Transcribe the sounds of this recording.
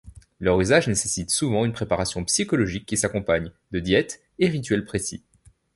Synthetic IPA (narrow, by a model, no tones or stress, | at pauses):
lœʁyzaʒnesesit̪suvɑ̃ynpχepaʁasjɔ̃psikɔlɔʒikʲːisakɔ̃paɲ | d̪əd̪jɛt̪ | eʁit̪̬ɥɛlpχesḭ